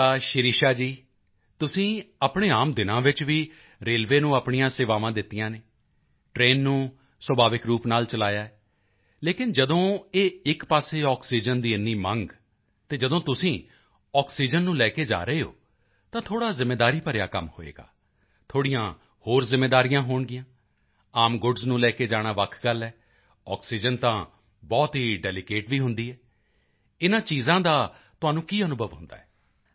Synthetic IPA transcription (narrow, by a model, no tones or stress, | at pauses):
aːʃɪɾiːʃaːd͡ʒiː | t̪ʊsĩːəpɳeːaːmd̪ɪnãːʋɪt͡ʃʋiː | ɾeːlʋeːnũːəpɳijãːseːʋaːʋãːd̪ɪt̪ːijãːneː | ʈɾeːnːũː | swəbʱaːʋɪkɾuːpnaːlt͡ʃəlaːjaːɛː | leːkɪnd͡ʒəd̪õːeːɪkpaːseːɔːksiːd͡ʒənd̪iːənːiːməŋɡ | t̪eːd͡ʒəd̪õːt̪ʊsĩː | ɔːksiːd͡ʒənːũːlɛːkeːd͡ʒa̰ːɾəeːɦo̰ː | t̪ãːt̪ʰoːɽaːzɪmːeːd̪aːɾiːpəɾjaːkəmho̰ːḛːɡa̰ː | t̪ʰoːɽijãː | hoːɾzɪmːeːd̪aːɾijãːɦoːɳɡɪjãː | aːmɡʊɖznũːlɛːkeːd͡ʒaːɽ̃aːʋəkʰɡəlɛː | ɔːksiːd͡ʒənt̪ãː | bɔːt̪ɦiːɖɛːlɪkeːʈʋiːɦʊnd̪iːɦɛː | ɪnãːt͡ʃiːzãːd̪aː | t̪ʊɦaːnũːkiːənʊbʱəʋɦʊ̰̃nd̪a̰ːɛː